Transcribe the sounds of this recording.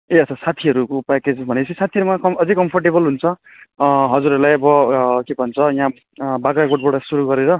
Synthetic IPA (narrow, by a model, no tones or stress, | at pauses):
eʌt͡sʰʌsat̪ʰiʌɾukopaked͡zisbʱʌneʌt͡sʰisat̪ʰiʌɾumakʌʌd͡zikʌmpʰʌrʈebʌlɦunt͡sʰʌ | ɦʌd͡zuɾʌɾlajʌbʌkebʱʌnt͡sʰʌjã | baɡakoʈ̚boɽasuɾuɡʌɾeɾʌ